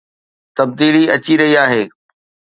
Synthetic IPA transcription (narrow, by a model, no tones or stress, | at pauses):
t̪ɐb̚d̪iːliɐt͡ɕiɾɐɦiaːɦeː